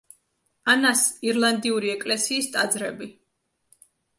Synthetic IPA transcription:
anasiɾlˠand̪iuɾiɛkʼlɛsiːst̪ʼad̪zɾɛbi

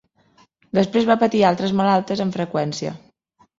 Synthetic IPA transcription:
d̪əspɾezβapət̪ialˠt̪ɾəzməlalˠt̪əzəɱfɾəkwɛnsiə̰

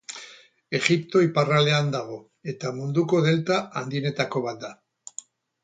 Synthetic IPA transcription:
exip̚t̪oiparaleand̪aɣo | et̪amũnd̪ukoðelt̪aand̪inet̪akoβad̪a

